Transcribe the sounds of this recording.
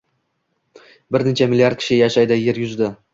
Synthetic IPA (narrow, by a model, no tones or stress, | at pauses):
bɪɾnɪt͡ʃʰamɪliaɾd̪kʲʰɪ̥ʃɪjaʃajd̪aje̞ɾjʊzd̪ɪ